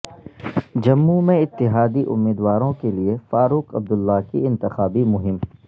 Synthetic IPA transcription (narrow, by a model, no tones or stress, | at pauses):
d͡ʒɐmːumẽɪt̪ːɪɦaːd̪iʔʊ̰mːiːd̪waːɾõkeliefaːɾuːqɐb̚d̪ʊlːakḭɪ̃nt̪ɪxaːbimʊɦɪm